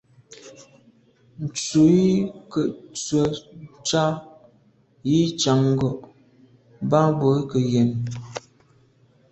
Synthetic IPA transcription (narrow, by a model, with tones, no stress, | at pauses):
n̩˨t͡su˨ji˦kə˨t͡swə˨t͡ʃa˦ | ji˦t͡ʃa˨ŋ˦ɡɔ˨ʔ | ba˦bo˨˦kə˨je˨n